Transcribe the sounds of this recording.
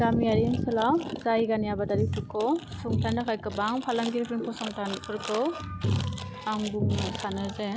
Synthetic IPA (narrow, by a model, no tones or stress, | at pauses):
ɡamijaɾiŋsɯlawzajɡanijabadaɾitukʰːɔsuŋtʰanakʰajkɯbaŋpʰalaŋɡiɾpʰɾimkʰɔsɔŋtʰankʰɯɾkʰɔw | aŋbuŋnasanaze